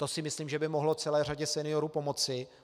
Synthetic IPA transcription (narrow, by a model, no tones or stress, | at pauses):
t̪o̞sɪmɪsliːmʒɛbɪmoɦlot͡sɛlɛːr̝aɟɛsɛnɪjo̞ɾuːpo̞mo̞t͡sɪ